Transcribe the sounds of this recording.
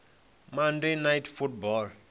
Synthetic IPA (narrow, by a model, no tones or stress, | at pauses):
mandenajtfut̚bɔl